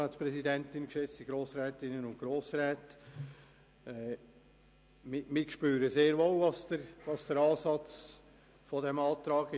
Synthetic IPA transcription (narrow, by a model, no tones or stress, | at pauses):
ɛːspɾɛsidɛntɪnkʃɛt͡stdiɡɾoːsɾɛːtɪnənʊntɡ̥ɾoːsɾɛːt | ɛ | mɪmɪkʃpyːɾəseːɾʋolvɑsd̥əɾʋɑsd̥əɾɑːsɑt͡s | fɔdɛmɑːtɾɑːɡɪ